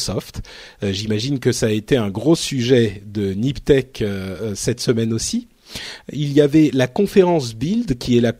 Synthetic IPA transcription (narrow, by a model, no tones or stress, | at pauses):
sɔft̪ | ʒimaʒinkəsaːet̪eɛ̃ɡʁosyʒɛd̪ənipt̪ɛkøsɛt̪səmɛnosi | iljavɛlakɔ̃feʁɑ̃sbild̪kʲiɛla